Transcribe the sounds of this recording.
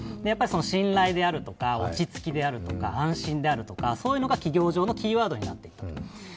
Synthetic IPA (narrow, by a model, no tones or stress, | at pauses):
d̪ejapːaɾʲiso̞no̞ɕĩnɾaid̪e̞aɾɯ̟t̪o̞kao̞̰t͡ɕit͡sɨ̥kʲid̪e̞aɾɯ̟t̪o̞ka̰ãɰ̃ɕĩnd̪e̞aɾɯ̟t̪o̞kaso̞ːjɯ̟no̞ɡakʲiɡʲo̞ːʑo̞ːno̞kʲiːβaːd̪o̞ɲinat̪ːe̞i̥t̪ːat̪